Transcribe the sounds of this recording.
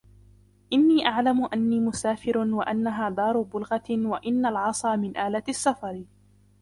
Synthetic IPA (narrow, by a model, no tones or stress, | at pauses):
ʔɪnːiːʔaʕlamʊʔanːiːmʊsaːfɪɾwaʔanːaɦaːd̪ˤɑːɾˤʊbʊlɣawaʔɪnːalʕɑsˤɑːmɪnʔaːlaasːafɑɾˤ